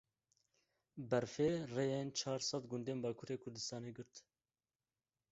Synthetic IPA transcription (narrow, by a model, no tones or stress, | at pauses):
bɛɾfeːrejent͡ʃʰɑːɾsɑt̪ɡʊnd̪eːnbɑːkʰuːɾeːkʰʊɾd̪ɨst̪ɑːneːɡɨɾt̪